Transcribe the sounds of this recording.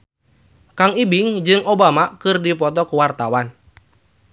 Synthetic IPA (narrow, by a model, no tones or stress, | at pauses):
kaŋibiŋd͡ʒɨŋobamakɨrdipɔt̪ɔkuwart̪awan